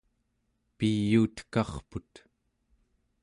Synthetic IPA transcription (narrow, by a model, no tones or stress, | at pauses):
pijːuːt̪kɑχput̪